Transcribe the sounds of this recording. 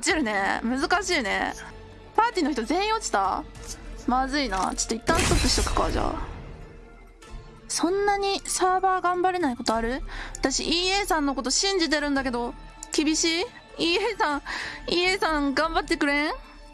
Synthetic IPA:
ot͡ɕiɾɯ̟ne̞̰mɯ̟zɨkaɕiːne̞̰ | paːt̪ʲiːno̞çit̪ozẽ̞ɰ̃o̞t͡ɕi̥t̪a | mazɨina̰t͡ɕi̥t̪ːoit̪ːãst̪okːɯ̟ɕi̥t̪okɯ̟̥kaʑa̰ː | sõ̞nːaɲ̟isaːbaːɡãmbaɾe̞naiko̞t̪o̞aɾɯ̟βat̪aɕḭʔiːe̞sãnːo̞ko̞t̪o̞ɕĩɲ̟d͡ʑit̪̬e̞ɾɯ̟̃nd̪ak̬e̞d̪o̞ | kʲibʲiɕiː | iːeːsãiːe̞ːsãŋɡãmbat̪ːe̞kɯ̟ɾẽ̞

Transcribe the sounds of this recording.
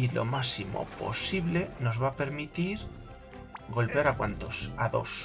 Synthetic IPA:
ilo̞̰masimo̰po̞̰siβle̞no̞zβape̞ɾmit̪iɾ | ɡo̞lpaɾakwa̰nt̪osaðo̞̰s

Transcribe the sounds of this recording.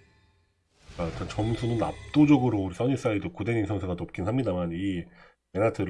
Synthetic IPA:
katat͡ɕʌmsʰunɯna̰p̚t͈od͡ʑʌɡɯɾouɾis͈ʰʌɲis͈aidokudeninsʰʌŋsʰeɡanop̚k͈insʰamɲidamani | me̞natʰɯɾ

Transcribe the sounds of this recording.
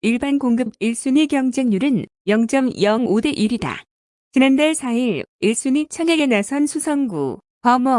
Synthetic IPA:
iɭbankoŋɡɯbiɭs͈uɲikjʌŋd͡ʑe̞ŋɲuɾɯn | jʌŋt͡ɕ͈ʌmjʌŋode̞ʔiɾida̰ | t͡ɕinandaɭsʰaiɾiɭs͈uɲit͡ɕʰʌŋeɡe̞nasʰʌnsʰusʰʌŋɡṵ | pʌmʌ

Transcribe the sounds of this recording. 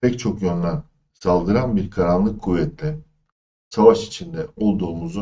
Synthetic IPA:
ɛc̚t͡ʃʰo̞kjønlʲæn | salˠd̪ɯɾanbiɾkʰaɾanlˠɯkʰːuvːɛt̪lʲɛ | savaʃi̥t͡ʃʰind̪ɛo̞lˠd̪uːmuzu

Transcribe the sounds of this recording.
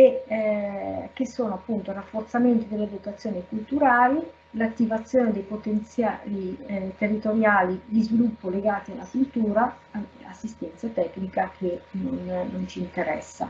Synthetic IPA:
e | k̟esːoːnoapːunt̪oirafːort̪sament̪id̪elːed̪ot̪at̪sːjoːnikult̪uɾaːli | lat̪ːivat̪sːjoːned̪ejpot̪ent̪sjalit̪erːit̪oɾjaːlid̪izvilupːoleɡaːt̪ialːakult̪uːɾa | a̰sːist̪ɛnt̪sat̪ɛkːnikak̟ʰenonːont͡ʃiːnt̪eɾɛ̰sːa̰

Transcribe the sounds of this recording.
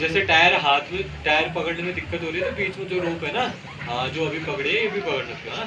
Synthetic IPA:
d͡ʒɛːseʈaːjəɾɦaːt̪ʰmẽʈaːəɾpɐkəɽnemẽd̪ɪkːət̪ɦoːɾiːɛt̪obiːt͡ʃmẽt̪oɾoːpɦɛːnã | d͡ʒoːɐbʱipɐkɽeɛ̃ebʱipɐkəɽɖətːjona

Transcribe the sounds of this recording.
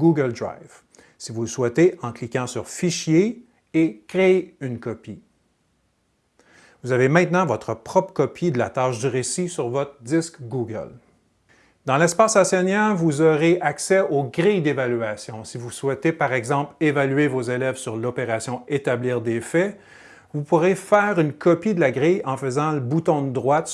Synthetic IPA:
ɡuɡəld̪ʁa̰jv̥ | sivuləswɛt̪eʔɑ̃klikʲɑ̃syʁfiʃje | ekʁeeynkɔpi | vuzavemɛ̃t̪nɑ̃vɔt̪χəpχɔpʁə̥kɔpʰid̪əla̰t̪aːʃd̪əʁesisyʁvɔt̪χʁəd̪ɪskɡuɡə̰l | d̪ɑ̃lɛspaːsasɛnjɛlvuzɔʁeʔaksɛoɡʁijd̪evalyasjɔ̃sivuswɛt̪epaʁɛɡzɑ̃plevalyɥevozelɛvsyʁlɔpeʁasjɔ̃et̪abliːʁd̪efɛ | vupuʁefɛːʁynkʰɔpid̪əlaɡʁijɑ̃fəzɑ̃ləbut̪ɔ̃d̪əd̪ʁwat̪

